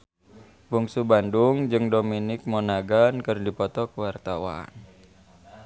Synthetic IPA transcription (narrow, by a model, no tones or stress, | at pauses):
buŋsubanduŋd͡ʒɨŋdominɪk̚monaɡankɨrdipɔt̪ɔkəwart̪awa̰n